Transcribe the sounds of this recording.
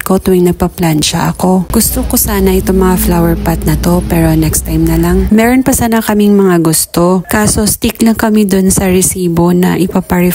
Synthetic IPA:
ko̞t̪ʊɪŋnɐɡ̚pɐplant͡ʃɐ̰ʔɐko̞ɡ̥ʊst̪okosaːnɐʔɪt̪o̞ŋmɐŋaflawɛɹpat̪̚nɐt̪o̞pɛːɾo̞nɛkst̪ajmnɐlɐŋmɛɾonpɐsaːnɐkɐmiŋmɐŋaɡʊst̪o̞kaːso̞st̪iklɐŋkɐmid̪onsɐɾɛsiːbo̞nɐ̰ʔɪpapɐɾɪ

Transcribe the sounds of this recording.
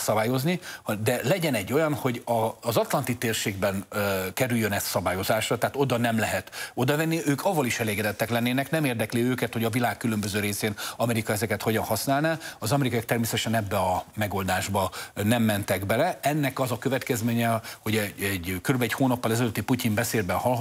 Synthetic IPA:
sɒbaːjo̞znid̪ɛlɛɟɛnɛɟːo̞jɒnho̞ɟɒzɒt̪lɒnt̪it̪eːrʃeːɡbɛnkɛɾyjːønɛst̪sɒbaːjo̞zaːʃrɒt̪ɛːt̪o̞d̪ɒnɛmlɛɦɛt̪o̞d̪ɒvɛnːiøːkʰɒvːɒliʃɛleːɡɛd̪ɛt̪ːɛklɛnːeːnɛknɛmeːrd̪ɛkliøːkɛt̪ho̞ɟɒvilaːkːylømbøzøːɾeːseːnɒmɛɾikɒɛzɛkɛt̪ho̞ɟɒnhɒsnaːlnaɒzɒmɛɾikɒjɒk̚t̪ɛrmeːsɛt̪ɛʃɛnɛbːɛɒmɛɡold̪aːʒbɒnɛmːɛnt̪ɛɡbɛlɛɛnːɛkɒzɒkø̞vɛt̪kɛzmeːɲɛho̞ɟɛɛɟkøɾybɛchoːnɒpːɒlɛzɛløːt̪ːipucimbɛseːlbɛnhɒl

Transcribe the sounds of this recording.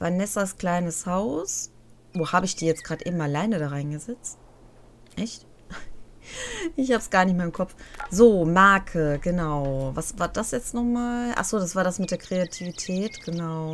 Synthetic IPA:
vanɛsaskl̥aɪnəshaʊs | voːhaːbəɪçd̥iːjɛt͡sɡ̥ʁaːdʔeɪːbm̩alaɪnədaʁaɪnɡəzɛt͡st | ʔɛçt | ʔɪçhabəsɡ̥aːɐnɪçtmaɐɪmkʰɔp͡fz̥oːmaɐkʰəɡənaʊvasvaːɐdasjɛt͡stnɔχmaːlʔa̰χz̥oːdasv̥aːɐdasmɪt̚d̥eːɐkʁ̥eatʰiːvitʰɛːtɡ̥ənaʊ

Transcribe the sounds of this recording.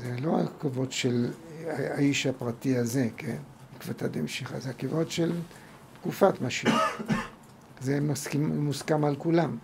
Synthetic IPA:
zelo̞a̰kavo̞tʃel | aiʃhapʁatiaze̞ken | ikvatad̪emʃiχa̰zeakivotʃel | t̪kufat̪maʃi | zemskimmuskamalkulam

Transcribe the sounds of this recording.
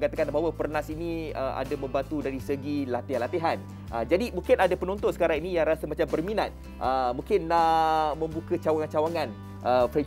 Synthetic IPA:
ŋkat̪akanbaɦawəpərnasinĩəʔa̰damə̃mbant̪udaɾisəɡilat̪ehanlat̪eɦan | ʔəd͡ʒadimũŋkɪnadapənɔnt̪ʊnsə̥kaɾaŋinĩjãŋɾasəmat͡ʃambərminat̪̚ | ʔəmũŋkɪnamə̃mbukət͡ʃawaŋant͡ʃawaŋan | əfɾɛ

